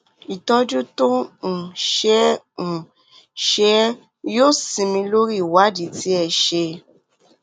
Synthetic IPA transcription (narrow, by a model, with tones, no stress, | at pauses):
i˨tɔ˧d͡ʒu˦to˦ñ̩˨ʃɛ̃˦˨ | ʃɛ˨˦ | jo˦˨sĩ˧mĩ˧lo˦ɾi˦˨wa˨˦di˨ti˨˦ɛ˨ʃe˧